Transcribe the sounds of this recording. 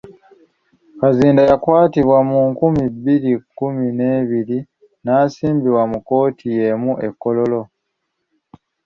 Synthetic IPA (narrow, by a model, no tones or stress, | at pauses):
kaziːndajakwaːtiβwamuŋkumibːiɾikːumine̞ːβiɾi | naːsiːmbiβwamuko̞ːtʰije̞muʔe̞kːo̞lo̞lo̞